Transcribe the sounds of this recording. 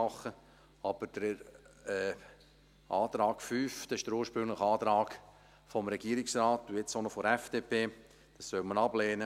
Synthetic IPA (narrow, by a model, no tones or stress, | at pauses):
ɑχə | ɑb̥əɾd̥ə | ɛː | ʔɑːt̪ɾɑːɡfyːfd̥ɑɪʃdəɾuːɾʃpɾʏŋlɪχɑːt̪ɾɑːk | fɔmɾɛɡ̥iːəɾɪksraːtuet͡sonofoɛfd̥eːpeː | d̥ɑssœlmənɑbleːnə